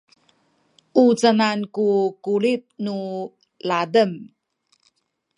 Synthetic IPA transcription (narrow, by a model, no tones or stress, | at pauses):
ʔut͡sənankukulit̚nu | ladəm